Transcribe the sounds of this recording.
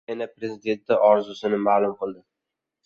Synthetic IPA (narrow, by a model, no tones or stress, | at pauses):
ɪnapɾe̞zɪd̪e̞nt̪ːaʔɒɾzʊsɪnɪmaːlˠʊmqʰɨlˠd̪ɪ